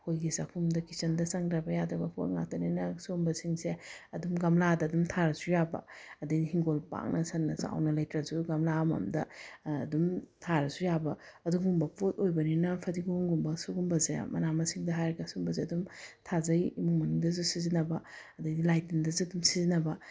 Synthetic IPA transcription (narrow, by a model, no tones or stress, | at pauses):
hojɡisakʰumdɐkisɐndɐsɐŋɾɐbɐjadɐbɐpʰo̰t̚ŋa̰tɐninɐsumbɐsiŋseɐdumɡɐmladɐːdumtʰaɾɐsujabɐ̰ɐdɐjdihiŋɡolpa̰ŋnʔɐsɐnːɐsa̰wnɐlɐjtɾɐzuɡɐmlamɐ̰mdɐːdumtʰaɾɐsujabɐ | ɐduɡumbɐpʰotojbɐninɐpʰɐdiɡuhuŋɡumbɐsuɡumbɐzḛmɐnamɐsiŋdɐɦajɾɐɡɐsumbɐzeɐdumtʰazɐjimuŋmɐnuŋdɐs̬usizinɐbɐɐdɐjdilajtindɐzuɐdumsizinɐbɐ